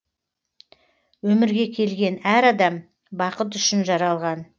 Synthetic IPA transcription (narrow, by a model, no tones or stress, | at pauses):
wɵmɪɾɡʲe̞kʲʰe̞lɡʲe̞næɾɑd̪ɑm | bɑqət̪̬ʏʃɪnʒɑɾɑlˠʁɑn